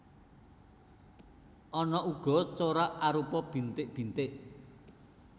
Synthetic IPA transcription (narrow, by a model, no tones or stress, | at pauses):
ʔɔnɔuɡ̥ɔ̤t͡ʃoɾaʔaɾupɔb̥i̤nt̪ɪʔb̥i̤nt̪ɪʔ